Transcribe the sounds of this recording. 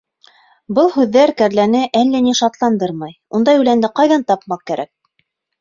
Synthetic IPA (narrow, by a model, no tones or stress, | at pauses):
bɤlˠɦʉðːæɾkæɾlænɘʔælːæniʃɑt̪lˠɑnd̪ɤɾmɑjund̪ɑjʉlænd̪ɘqɑjðɑnt̪ɑp̚mɑq̚kæɾæ̰k̚